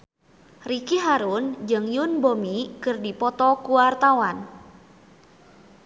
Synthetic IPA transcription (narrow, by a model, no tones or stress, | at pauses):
rikiɦaɾund͡ʒɨŋjunbomikɨrdipɔt̪ɔkuwart̪awan